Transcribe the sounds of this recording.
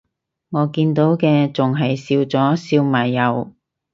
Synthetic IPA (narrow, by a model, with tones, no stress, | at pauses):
ŋɔː˨˧kiː˧nt̪o˨˥wkɛː˧t͡sʊ˨ŋɦɐ˨jsiː˧wt͡sɔː˨˥siː˧wmaː˨˩jːɐ˨˧w